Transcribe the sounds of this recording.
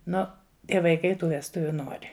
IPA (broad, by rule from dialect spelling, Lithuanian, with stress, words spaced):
ˈnʊ ˈtʲiɛ ʋɐɪˈkɐɪ ˈtuː ʋʲɛsˈtʊʋʲuː ˈnoːrʲɪ